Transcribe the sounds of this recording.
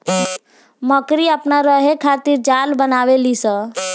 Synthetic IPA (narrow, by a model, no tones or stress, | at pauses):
məkɾiapnaɾəɦekʰat̪iɾd͡ʒalbənaʋelisə